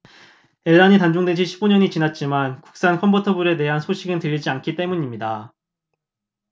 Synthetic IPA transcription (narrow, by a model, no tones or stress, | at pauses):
e̞ɭːaɲitand͡ʑoŋdwed͡ʑʰiɕʰi̥p͈̚uɲʌɲit͡ɕinat̚t͡ɕ͈imanku̥k̚s͈ankʰʌmpʰotʰʌbuɾe̞te̞ɦansʰoɕʰiɡɯntɯɾid͡ʑiankʰit͈e̞muɲimɲida